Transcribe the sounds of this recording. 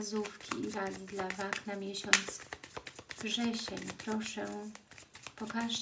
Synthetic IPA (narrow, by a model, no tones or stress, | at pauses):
zufkʲiːɾaɡʲid̪lavaknamʲjeɕɔnt̪s | vʐɛɕɛɲpɾɔʂɛ | pɔkaʐ